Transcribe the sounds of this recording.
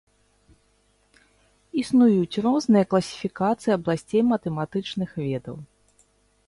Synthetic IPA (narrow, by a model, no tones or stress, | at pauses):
isnujut͡sʲrɔznɨjɐklˠɐsʲi̥fʲikat̪sɨjiɐblˠasʲt͡sʲejmɐt̪ɛmat̪ɨt͡ʂnɨxvʲɛd̪ɐ̰w